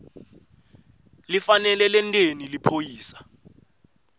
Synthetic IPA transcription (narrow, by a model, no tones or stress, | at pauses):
lifanɛlɛlɛntʼenilipʰojiːsḁ